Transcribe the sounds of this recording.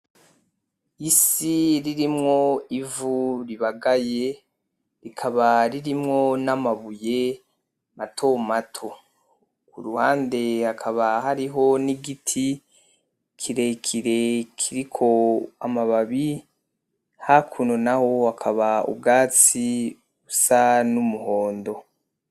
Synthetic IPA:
isiɾiɾimŋo̞ivuɾiβaɡaje̞ | ɾikʰaβaɾiɾimŋo̞namaβuje̞ | matʰo̞matʰo̞ | kuɾuhaːnde̞hakʰaβahaɾiɦo̞niɡitʰi | kʰiɾe̞kʰiɾe̞kʰiɾikʰo̞amaβaβi | hakʰuno̞naho̞hakʰaβaṵbɡaːt͡si | usanumuho̞ːndo̞

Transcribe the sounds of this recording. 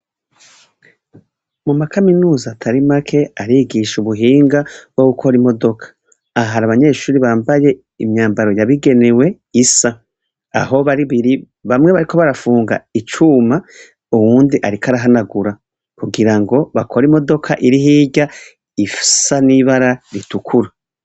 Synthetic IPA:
mumakaminuːzaːtʰaɾimakʰe̞aɾiɡiʃuβuɦiːŋɡaβ̥o̞ɡukʰo̞ɾimo̞do̞kʰḁː | ɦaɾaβaɲe̞ːʃuːɾiβaːmbaje̞ | imɲaːmbaɾo̞jaβiɡe̞newe̞ | isa | a̰ɦo̞βaɾiβiɾi | βamŋeβaɾikʰo̞βaɾafuːŋɡa̰it͡ʃuma | uwuːndiʔaɾikʰaɾaɦanaɡuɾa | kuɡiɾaŋɡo̞βakʰo̞ɾimo̞do̞kʰaʔiɾiɦiːɟa | ifi̥saniβaɾaɾitukʰuɾa

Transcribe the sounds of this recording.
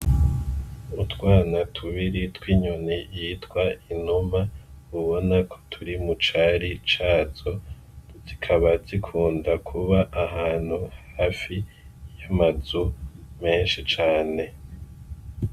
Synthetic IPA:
utwaːnatʰuβiɾitwiːɲunejitwainumauβo̞nakʰo̥tʰuɾimut͡ʃaɾit͡ʃaːz̥o̞ | zikʰaβatikʰuːndakʰuβaʔːɦaːn̥huhhaːfi | jamazume̞ːnʃit͡ʃaːne̞

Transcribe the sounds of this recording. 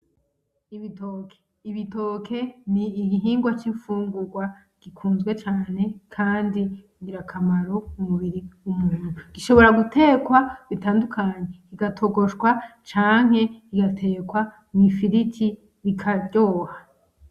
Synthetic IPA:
iβitoːkʰe̥ | iβito̞ːkʰe̞niːɡiɦiːŋɡwat͡ʃiɱfuːŋɡuɾɡwa | ɡ̥ikʰuːnzɡwe̞t͡ʃaːne̞kʰaːndi | ɡiɾakʰamaɾo̞umuβiɾiumuːn̥uɡ̥iʃo̞βo̞ɾaɡute̞ːkwaβitaːndukʰaɲe̞iɡatʰo̞ɡo̞ʃɡwat͡ʃaːŋ̥ɦe̞iɡatʰe̞kwa | mifiɾitʰi | βikʰaɟoːha

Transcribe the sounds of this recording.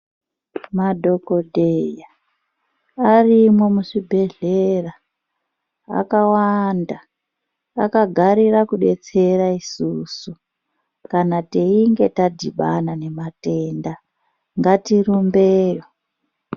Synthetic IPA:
madʱo̞ko̞dʱeja | arimwemuʂibʱe̞ɮera | a̰kawanda̰ː | kaɡʱaɾiɾakuɗe̞t͡se̞ɾaisusu | kanateiŋɡe̞tadʱḭɓanane̞mate̞nda | ŋɡatirumbeːjo

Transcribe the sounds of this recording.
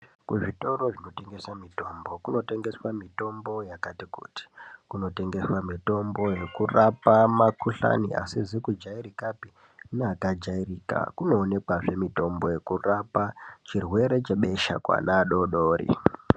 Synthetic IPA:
kuʐito̞ɾo̞ʐino̞te̞ŋɡe̞samito̞mbo̞kuno̞te̞ŋɡe̞swamito̞mbo̞jakatikṵti̥kuno̞te̞ŋɡe̞swamito̞mbo̞je̞kurapamakuɬa̰nia̰sizikud͡ʒaiɾikapi | naakad͡ʒairiːka̰kuno̞ːne̞kwaʐe̞mito̞mbo̞je̞kurapat͡ʃirwe̞ɾe̞t͡ʃeɓe̞ʃa̰kwa̰naɗo̞ɗo̞ːɾḭ

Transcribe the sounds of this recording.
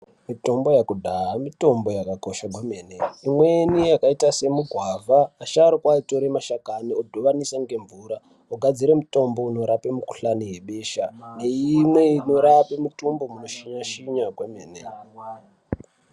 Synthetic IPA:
mito̞mbo̞jakudʱaɦamito̞mbo̞jakakoʃaɡweme̞ːneimwenijakaitase̞muɡʱwavʱaːʃaɾokwaito̞ɾe̞maʃakaniodʱoʋanisaŋɡe̞ɱvuɾa | oɡʱad͡ziɾe̞muto̞mbo̞ino̞ɾape̞muku̥ɬaniɦe̞ɓe̞ːʃane̞imwe̞ino̞ɾapemutumbo̞muno̞ʃiɲaʃiɲaɡweme̞ːne

